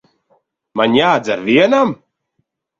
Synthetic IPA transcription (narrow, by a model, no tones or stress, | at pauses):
manjaːzaɾviənam